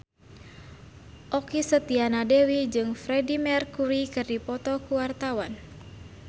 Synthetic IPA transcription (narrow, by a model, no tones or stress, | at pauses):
ʔɔkisət̪ianadɛwid͡ʒɨŋfɾɛdimɛrkuɾikɨrdipɔt̪ɔkuwart̪awan